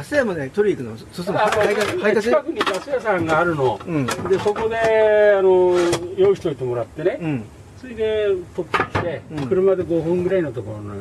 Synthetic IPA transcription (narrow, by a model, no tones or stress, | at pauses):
asɨjamad̪et̪oɾʲikɯnososomakaaikaskakɯ̟ɲikasɨjas̬ãŋɡaːɾɯ̟no̞ɯ̃ɴd̪eso̞ko̞d̪e̞anojo̞ːçi̥t̪o̞it̪e̞mo̞ɾat̪ːe̞ne̞ɯ̃ | soid̪et̪otːokʲi̥t̪e̞kɯ̟ɾɯmad̪e̞ɡo̞ɸɯ̟̃ŋɡɯ̟ɾainot̪okoɾono